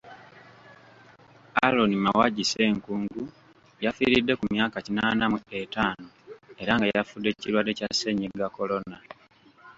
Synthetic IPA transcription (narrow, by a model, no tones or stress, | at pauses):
alo̞nimawaɟise̞ːŋkuːŋɡu | jafiːɾidːe̞kumjaːkacinaːnamue̞taːno | e̞ɾaŋɡajafudːe̞ciɾwadecase̞ɲeɡako̞lo̞na